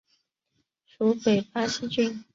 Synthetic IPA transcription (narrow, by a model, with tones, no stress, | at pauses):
ʈ͡ʂu˧˥˦pe˨˩ɪpa˥ɕi˥t͡ɕy˥˧n